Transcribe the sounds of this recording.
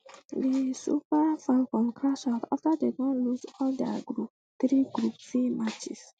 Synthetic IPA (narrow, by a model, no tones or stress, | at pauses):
disṵpafɛlfɔ̃mkʰɹaʃaʊtaftadeɡɔ̃nlusɔldɛɡɹup̚ | t̪ɹiɡɹupfimat͡ʃḭs